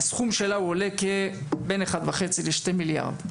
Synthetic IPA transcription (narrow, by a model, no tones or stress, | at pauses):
sχumʃelauole̞kebe̞neχad̪vaχe̞t͡sileʃte̞milja̰ʁd̪